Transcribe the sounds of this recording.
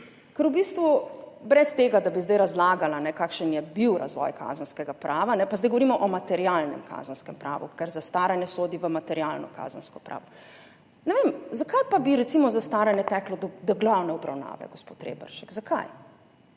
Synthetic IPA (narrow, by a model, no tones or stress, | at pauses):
kɛɾubiːst̪ʋubɾɛst̪eɡad̪abizd̪ajɾazlaːɡalanɛkakʃənjɛbiwɾa̰zʋɔ̰jkʰa̰zənskɛɡapɾʔaːʋanɛpazd̪ajɡɔʋɔɾimɔʔɔmat̪ɛɾijalnɛ̰mkʰa̰ːzənskɛmpɾa̰ːʋṵkɛɾzast̪aːɾanjɛsoːd̪iʋəmat̪ɛɾjalnɔ̰ka̰zənskɔ̥pɾʔa̰ːʋɔ | nɛʋemzakajpabiɾɛt̪simɔzast̪aːɾanjɛt̪ɛklɔd̪d̪ɔɡlawnɛɔbɾa̰wna̰ːʋɛ̰ɡospot̪ɾḛbə̰ɾʃɛkzaka̰j